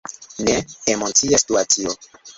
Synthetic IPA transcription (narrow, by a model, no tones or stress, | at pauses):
neemot͡siasi̥tuat͡sio